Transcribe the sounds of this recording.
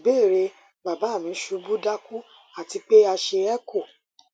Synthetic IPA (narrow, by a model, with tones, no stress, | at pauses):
be˦˨ɾe˧ | ba˨ba˨˦˨mĩ˨˦ʃu˨˧bu˦da˦ku˦ | a˦˨ti˧k͡pe˦a˧ʃe˧ɛ˦kʰo˦˨